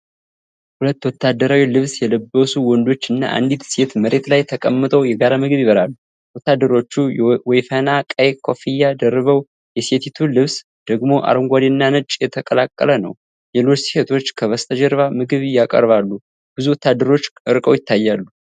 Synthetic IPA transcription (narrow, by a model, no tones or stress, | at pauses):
hulət̪ːwɔt̪ʰːad̪ːəɾawilɨβsjɛləbːəsuwɔnd̪o̞t͡ʃːɨnːa̰ʔa̰nd̪it̪se̞t̪məɾe̞t̪lajt̪ʰəkʼəmːɨt̪ʼəwjɛɡaɾamɨɡɨβjiβəɾalːu | wɔt̪ːad̪ːəɾo̞t͡ʃːuwejfənakʼəjkʰo̞fijːad̪ərːɨβəw | jɛse̞t̪ʰit̪ʰulɨβs | d̪̥əɡmo̞ʔa̰ɾəŋɡʷad̪inːanɨt͡ʃʼːjɛt̪ʰəkʼəlakʼːə̰lənə̰w | lelo̞t͡ʃːsihet̪ʰo̞t͡ʃːkʰəβəst̪ʰəd͡ʒɛɾβamɨɡɨβɨjakʼə̰ɾβalːu | b̥ɨzuwɔt̪ːad̪ːəɾo̞t͡ʃːɨɾkʼə̰wjɪt̪ʰːajːalːu